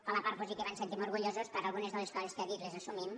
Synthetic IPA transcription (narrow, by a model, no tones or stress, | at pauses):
alapaɾt̪pozikeβansent̪imoɾɣuʎozoskaɾalˠɣunezðəleskɔzeskeaðit̪lezasumim